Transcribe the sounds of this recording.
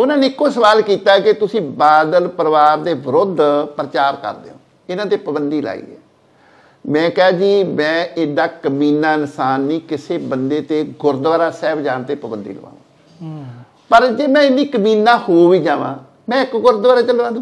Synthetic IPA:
ʊnãːneːɪkːoːsəʋaːlkiːt̪aːkɪt̪ʊsĩːbaːd̪əlpəɾəʋaːɾd̪eːʋəɾʊd̪ʱpəɾət͡ʃaːɾkə̰ɾd̪ḛːɦõ̰ː | ɪnãːt̪eːpəbənd̪iːla̰ːḭːɛ̰ː | mɛ̃ːkɪɦaːd͡ʒiːmɛ̃ːeːd̪aːkəmiːnaːɪnsaːnːĩːkɪseːbənd̪eːt̪eːɡʊɾd̪ʋaːɾaːsɛːbd͡ʒaːnt̪eːpəbənd̪ḭːlə̰ʋã̰ːʋã̰ː | pəɾd͡ʒeːmɛ̃ːɪnːiːkəmiːnːãːhoːʋiːd͡ʒãːʋã̰ː | mɛ̃ːɪkɡʊɾd̪ʋaːɾaːt͡ʃəlãː

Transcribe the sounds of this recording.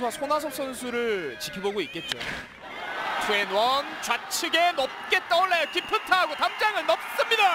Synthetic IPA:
ʌsʰonas̬ʰʌp̚s͈ʌnsʰuɾɯɭt͡ɕikʰiboɡoik͈e̞t̚t͡ɕ͈o̰ | tuenwʌnt͡ɕwat͡ɕʰiɡenʌp̚k͈e̞t͈ʌɭːajʌkipʰɯtʰaɦaɡotamd͡ʑaŋɯɭnʌp̚s͈ɯmɲida

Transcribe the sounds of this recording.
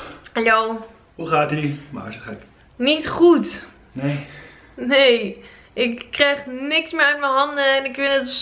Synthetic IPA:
alow | huχaːtima̰ːɪsətχɛk | nitχut | ne | nej | ʔɪkːrɛjχnɪksmɪːɹœt̚mənɦɑndəɛnɪkʋɪnət

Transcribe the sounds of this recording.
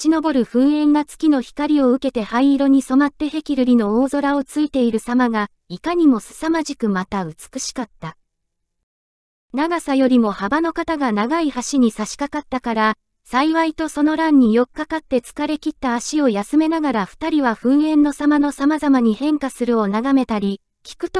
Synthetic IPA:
t͡ɕino̞bo̞ɾɯ̟ɸɯ̟̃ɰ̃ẽ̞ŋɡat͡sɨ̥kʲino̞çi̥kaɾʲio̞ɯ̟ke̞t̪e̞haiːɾo̞ɲ̟iso̞mat̪ːe̞he̞kʲiɾɯ̟ɾʲino̞oːzo̞ɾao̞t͡sɨit̪e̞iɾɯ̟samaɡa | ikaɲ̟imo̞sɨ̥samaʑikɯ̟mat̪aɯ̟t͡sɨ̥kɯ̟ɕi̥kat̪ːa | naɡasajo̞ɾʲimo̞habano̞kat̪aɡanaɡaihaɕiɲ̟isaɕi̥kakat̪ːakaɾa | saiβait̪o̞so̞no̞ɾãɲ̟ːijo̞kɯ̟̥kːakat̪ːe̞t͡sɨ̥kaɾe̞kʲit̪ːaːɕio̞jasɨme̞naɡaɾaɸɯ̟̥t̪aɾʲiβaɸɯ̟̃ɰ̃ẽ̞nːo̞samano̞samazamaɲ̟ihẽ̞ŋkasɨɾɯ̟o̞naɡame̞t̪aɾʲi | kʲi̥kɯ̟t̪

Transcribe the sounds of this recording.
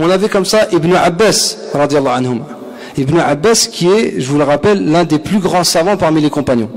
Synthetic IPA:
ɔ̃navɛkɔmsaʔibnuʕabːæsɾɑd̪jɛlˤːɑʕanɦuma | ibnuʕabːæskʲʰiɛʒəvuləʁapɛlːɛ̃d̪eplyɡʁɑ̃savɑ̃paʁmilekɔ̃panjɔ̰̃

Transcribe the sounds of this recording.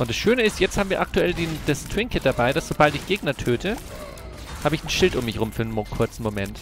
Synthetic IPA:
ʔʊntd̥asʃøːnəɪstjɛt͡sthaːm̩viːɐʔak̚tuɛldid̥astw̥ɪŋkət̚d̥abaɪdasz̥obaltɪçɡ̥eːɡnɐtʰøːtʰə | haːbəɪçn̩ʃɪltʊmːɪçʁʊmfyːɐnnmokʰʊɐt͡sn̩momɛnt

